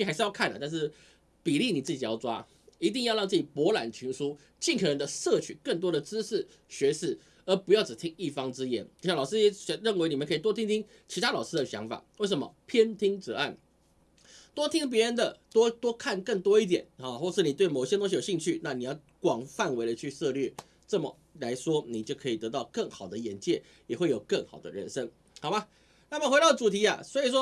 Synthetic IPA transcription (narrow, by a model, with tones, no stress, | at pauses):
a˧˥ʂ̩˥˧jɑ˥˧ʊkʰa˥˩nə̰˨˩t̪a˥˧nʂɻ̩˥˩ | pi˨˩li˥˩ni˨˩t͡sɹ̩˥˩t͡ɕi˨˩jɑ̰˥˩ʊʈ͡ʂwa̰˥ | i˧˥t̪̬i˥˧ŋjɻɑ˥˧ŋt͡s̩˥˩t͡ɕi˨˩pwɔ˧˥la̰˨˩nt͡ɕʰy˧˥ŋʂu˥ | t͡ɕi˥˩nkʰɤ˨˩nə˧˦nd̪ə˧ʂɤ˥˨˩t͡ɕʰy˨˩kə˥˩ŋt̪̬wɔ˥d̪ə˨t͡sɹ̩˥ʂɻ̩˥˩ | ɕɥɛ˧˥ʂɻ̩˥˩ | ə˧˥pu˧˥jɑ˥˩ʊʈ͡ʂɻ̩˨˩t̪ʰi˦˥ŋi˥˩fɑ˥ŋt͡sɹ̩˥jɛ̰˧˥no˨˩ʊɕja˨˩lɑ˨˩ʊʂɻ̩˥ɛ˧˥ɕɛ˧˥ɻə˥˩nwe˧˥ni˨˩mə˦nkʰi˨˩t̪ɔ˥t̪ʰi˥ŋt̪ʰi˥ŋ | t͡ɕʰi˧˥t̪ʰa˥lɑ˨˩ʊʂɻ̩˥d̪ə˨˩ɕjɑ̰˧˥ŋfa̰˨˩˦we˥˩ɪʂ̬ə˧˥mə̰˧pʰjɛ˥nt̪ʰi˥ŋt͡sɤ˧˥a˥˩n | t̪wɔ˥t̪ʰi˥ŋp̬jɛ˧˥ɻə˧˦nd̪ə˨t̪wɔ˥t̪wɔ˥kʰa˥˧˨nkə˥˩ŋt̪wɔ˥i˥˩t̪̬jɛ̰˨˩˦na˨˩xwɔ˥˩ʂɻ̩˥˩ni˨˩we˥˩ɪmɔ˨˩ɕjɛ˥t̪o˥ŋɕi˧˥jo˨˩ɕi˥˧ŋt͡ɕʰy˥˩na˥˩˨ni˨˩jɑ˥˩ʊkwɑ˨˩ŋfa˥˨nwe˧˥ɪlə˧t͡ɕʰy˥˧sɤ˥˧lɥɛ˥˩ | ʈ͡ʂə˥˩mə̰˩ | la˧˥ɪʂwɔ˥ni˨˩t͡ɕjo˥˩ʊkʰɤ˧˥i˨t̪ɤ˧˥t̪ɑ˥˧ʊkə˥˩ŋxɑ˨˩ʊd̪ə˦jɛ˨˥nt͡ɕjɛ˥˩ | jɛ˨˩xwe˥˩ɪjo˨˩ʊkə˥˩ŋxɑ̰˨˩ʊd̪ə̰˦ɻə̰˧˩nʂə˥ŋ | xɑ˨˩ʊba˧˦ | na˥˩mə˨xwe˧˥ɾɑ˥˩ʊʈ͡ʂu˨˩t̪ʰi˧˥a̰˨swɔ˧˥i˨˩ʂ̬wɔ˥